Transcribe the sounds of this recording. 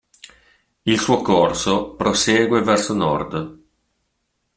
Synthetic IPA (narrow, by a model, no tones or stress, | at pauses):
ilsuːokorsopɾoseːɡwevɛrsonɔ̰rd̪